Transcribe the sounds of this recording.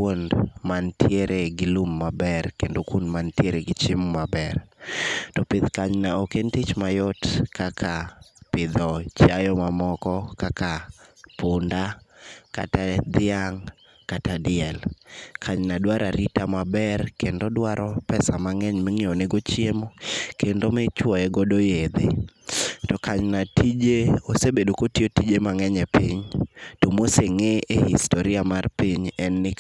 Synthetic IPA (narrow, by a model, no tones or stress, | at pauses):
kondmantjeɾʔeɡɪlumːabɛrkendokwondmantjeɾeɡɪt͡ʃɪmmabɛr | tɔpɪd̪kaɲnaokentit͡ʃmajɔtkakʰapɪd̪ɔt͡ʃajɔmamɔkɔkakapʊndaka̰tad̪ɪaŋ | katadɪɛlkʰaɲnadwaɾaɾitamabɛrkendodwaɾɔpɛsamaŋɛɲmɛŋiɔneɡot͡ʃiemokendomɛt͡ʃwɔɛɡɔdojed̪e | tɔkaɲnatʰid͡ʒeosebedokotiotid͡ʒemaŋɛɲɛpiɲtomoseŋeehistoɾiamarpiɲɛnːɪ